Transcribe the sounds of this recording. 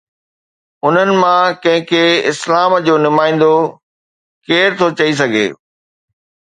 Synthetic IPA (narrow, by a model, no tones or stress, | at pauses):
ʊn̤ənɪ̆mãkɐ̃ɦɪ̃kʰeɪslaːmd͡ʑoːnʊmaːĩːn̆d̪o | keːɾt̪ʰot͡ɕɐis̬ɐɡʱḛː